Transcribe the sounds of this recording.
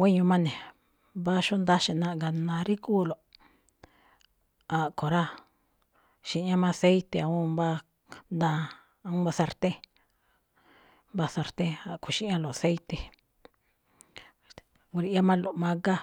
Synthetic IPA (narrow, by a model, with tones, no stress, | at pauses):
wʷe˦ɲũ˧mã˦nẽ˨ | ba˦ʃu˦nd̪a˦ʃi˧˨nã˧ʔɡa˧˨nã˧ɾi˦kuː˦˨lo˨ | a˨ko˨ɾa˦ | ʃĩ˧˦ã˦mã˧se˦it̪e˧a˧ũ˦ba˦ | nd̪ã˧ | ũ˦βa˧sa˧ɾt̪ẽ˦ | mba˧sa˧ɾt̪ẽ˦a˨kʰo˨ʃĩ˦ã˧lo˨a˨se˦jt̪e˧ | ɡu˧ɾi˧˦a˦mã˦˧lo˨mã˧ɡa˦